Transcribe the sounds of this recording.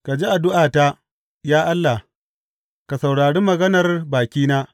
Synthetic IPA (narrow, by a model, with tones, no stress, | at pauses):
ka˨d͡ʒi˦ʔa˨dʊ˦ʔaː˨ta˦ | jaː˦ʔa˦lːa˨h | ka˨sɐ˨wɽaː˨ɽeː˦mɐ˨ɡɐ˦nɐ˨rbaː˨kʲiː˦naː˦